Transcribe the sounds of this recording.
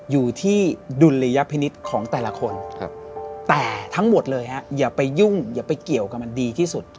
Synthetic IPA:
juː˨˩t̪ʰiː˥˩du˧nɾa˧ja˦˥pʰi˧ni˦˥t̪̚kʰɔː˩˦ŋt̪ɛː˨˩la˧kʰo˧nk̚ʰt̪ɛː˨˩t̪ʰa˦˥ŋmo˨˩t̪̚lɤː˧jha˦˥jaː˨˩pa˧jːu˥˩ŋjaː˨˩pa˧jki˨˩əwka˨˩p̚ma˧ndiː˧t̪ʰiː˥˩su˨˩t̪̚

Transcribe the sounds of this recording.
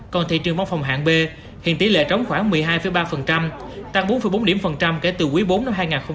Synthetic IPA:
kɔ˨˩nt̪ʰḭ˧˨t͡ɕɨ˨˩əŋva˧˦wŋ͡mfɔ˨˩wŋ͡mɦa̰ː˧˨nɓe˧ | hḭ˧˨ənt̪i˨˦lḛ˧˨t͡ɕə˨˦wŋ͡mxwaː˧˩ŋmɨ˨˩əjɦaː˧jfə˨˦jɓaː˧fə˨˩nt͡ɕa˧m | t̪a˧˥ŋɓo˨˦nfə˨˧˩jɓo˨˦nɗi˧˩əmfə˨˩nt͡ɕa˧mke˧˩t̪ɨ˨˩kwi˨˦jɓo˨˦nːa˧mɦaː˧jŋaː˨˩nxə˧wŋ͡m

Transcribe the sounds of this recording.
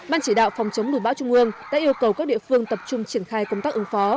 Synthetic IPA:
ɓaː˧nt͡ɕi˧˩ɗa̰ː˧˨wfɔ˨˩wŋ͡mt͡ɕə˨˦ŋ͡mnu˧˩ɓaː˧˥wt͡ɕʊ˧ŋ͡mʔɨ˧əŋɗa̰ː˧˥ʔi˧əwkə˨˩wkaː˦˥k̚ɗḭ˧˨əfɨ˧əŋt̪ə˨˩p̚t͡ɕʊ˧ŋ͡mt͡ɕi˧˩ənxaː˧jkə˧ŋ͡mt̪aː˦˥k̚ʔɨ˨˦ŋfɔ˨˦

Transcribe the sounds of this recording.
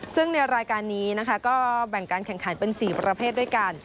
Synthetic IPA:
sɯ˥˩ŋna˧jɾaː˧jkaː˧nːiː˦˥na˦˥kʰa˦˥kɔː˥˩bɛ˨˩ŋkaː˧nkʰɛ˨˩ŋkʰa˩˦npe˧nsiː˨˩pɾa˧pʰeː˥˩t̪̚du˥˩˨jka˧n

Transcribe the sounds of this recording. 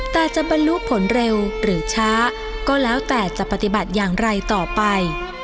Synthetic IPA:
t̪ɛː˨˩t͡ɕa˨˩ʔba˧nlu˦˥pʰo˩˦nɾe˧wɾɯː˩˦t͡ɕʰaː˦˥ | kɔː˥˩lɛː˦˥wt̪ɛː˨˩t͡ɕa˨˩pːa˧t̪i˨˩ba˨˩t̪̚jaː˨˩ŋɾa˧jt̪ɔː˨˩pa˧j

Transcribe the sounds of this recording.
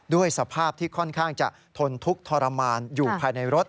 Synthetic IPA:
du˥˩əjsa˧pʰaː˥˩p̚t̪ʰiː˥˩kʰɔ˥˩nkʰaː˥˩ŋt͡ɕa̰˨˩ʔ | t̪ʰo˧nt̪ʰu˦˥k̚t̪ʰɔː˧ɾa˧maː˧njuː˨˩pʰaː˧jna˧jɾo˦˥t̪̚

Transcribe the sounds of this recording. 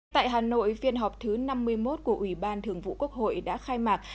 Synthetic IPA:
t̪a̰ː˧˨jɦaː˨˩no̰˧˨jfi˧ənɦa˨˩wk͡p̚t̪ʰɨ˨˦na˧mːɨ˧əjmo˦˥t̚ku˧˩əʔwi˧˩ɓaː˧nt̪ʰɨ˨˩əŋvṵ˧˨ku˦˥ək̚ho̰˧˨jɗa̰ː˧˥xaː˧jmaː˨˩kt̚

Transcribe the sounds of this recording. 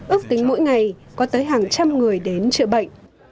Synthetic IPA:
ʔɨ˦˥ək̚t̪ï˨˦ŋ̟mo̰˧˥jŋa˨˩jkɔ˨˦t̪əː˨˦jɦaː˨˩ŋt͡ɕa˧mŋɨ˨˩əjɗe˨˦nt͡ɕɨ̰˧˨ɓə̰˧˨jŋ̟

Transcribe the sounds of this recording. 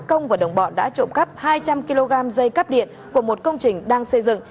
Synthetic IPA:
kə˧wŋ͡mvaː˨˩ɗə˨˩wŋ͡mɓɔ̰˧˨˩nɗa̰ː˧˥t͡ɕo̰˧˨mkə˦˥p̚haː˧jt͡ɕa˧mki˧lo˧ɣaː˧mzə˧jkaː˦˥p̚ɗḭ˧˨ən | ku˧˩əmo˨˩t̚kə˧wŋ͡mt͡ɕï˨˩ŋ̟ɗaː˧ŋsə˧jzɨ̰˧˨ŋ

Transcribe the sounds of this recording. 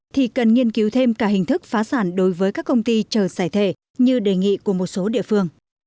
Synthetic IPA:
t̪ʰi˨˩kə˨˩nŋi˧ənki˨˦wt̪ʰe˧mkaː˧˩hï˨˩ŋ̟t̪ʰɨ˦˥k̚faː˨˦saː˧˩nɗo˨˦jvəː˨˦jkaː˦˥kːə˧wŋ͡mt̪i˧t͡ɕəː˧˩zaː˧˩jt̪ʰe˧˩ | ɲɨ˧ɗe˨˩ŋḭ˧˨ku˧˩əmo˨˩t̚so˨˦ɗḭ˧˨əfɨ˧əŋ

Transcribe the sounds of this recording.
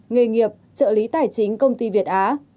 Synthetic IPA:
ŋɨ˨˩jŋi˨˩əp̚t͡ɕə̰ː˧˨li˨˦t̪aː˧˩jt͡ɕï˨˦ŋ̟kə˧wŋ͡mt̪i˧vi˨˩ət̚ʔaː˨˦

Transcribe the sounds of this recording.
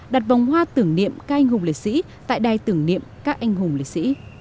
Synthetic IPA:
ɗaː˨˩t̚va˨˩wŋ͡mhwaː˧t̪ɨ˧˩əŋnḭ˧˨əmkaː˦˥k̚a˧jŋ̟hʊ˨˩ŋ͡mlḛ˧˨˩t̚sḭ˧˥ | t̪a̰ː˧˨jɗaː˨˩jt̪ɨ˧˩əŋnḭ˧˨əmkaː˦˥k̚ʔa˧jŋ̟ɦʊ˨˩ŋ͡mlḛ˧˩t̚sḭ˧˥

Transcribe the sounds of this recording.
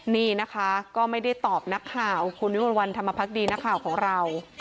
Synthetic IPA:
niː˥˩na˦˥kʰa˦˥kɔː˥˩ma˥˩jda˥˩jt̪ɔː˨˩p̚na˦˥kʰːaː˨˩wkʰu˧nwmo˧nwa˧nt̪ʰa˧mːa˧pʰa˦˥k̚diː˧na˦˥kʰːaː˨˩wkʰɔː˩˦ŋɾa˧w

